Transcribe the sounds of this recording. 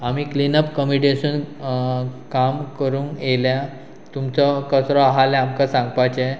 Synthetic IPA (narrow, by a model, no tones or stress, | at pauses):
amiːklinəpkəmiʈesuːn | kamkəɾũːŋelja | t̪umt͡sɔkəsɾɔaɦalɛamkəsãŋɡpajt͡ɕe